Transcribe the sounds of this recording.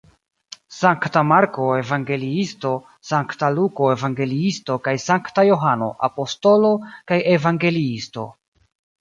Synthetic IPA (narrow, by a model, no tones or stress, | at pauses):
saŋktamaɾko̞e̞vaŋɡe̞liisto̞ | saŋktaluko̞evaŋɡe̞liisto̞kajsaŋktajo̞ɦano̞̰ʔa̰po̞sto̞lo̞kaje̞vaŋɡe̞liisto̞̰